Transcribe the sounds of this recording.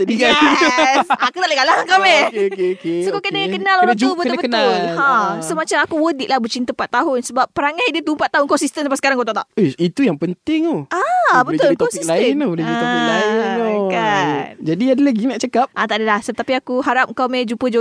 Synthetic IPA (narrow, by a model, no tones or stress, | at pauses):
adiɡa | akut̪aʔləɡalaŋəŋkawmekkesokokənəkənalolaubət̪bəənʊlasəmat͡ʃamakuwədiʔlahbət͡ʃint̪əpat̪ːaɦʊnsəbap̚ːəɾaŋahdiət̪uumpat̪ːaɦʊnŋkawsist̪ənsapasə̥kaɾaŋkowt̪aʔt̪aʔʔojit̪ujaŋpənt̪ɪŋoabət̪ʊlt̪osikslanobolɛd͡ʒut̪ilaɪokand͡ʒadiadəlaɡinaʔt͡ʃəkap̚ʔat̪aʔadəlahsəət̪apiakuɦaɾap̚ŋkawmɛ̃d͡ʒupəd͡ʒo